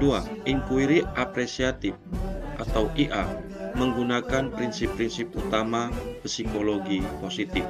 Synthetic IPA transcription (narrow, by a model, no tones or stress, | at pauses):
duaʔiŋkuiɾiʔapɾesiat̪ɪfʔat̪awʔiʔa | məŋɡunakanpɾinsɪpːɾinsɪp̚ut̪amapəsikoloɡiposit̪ɪf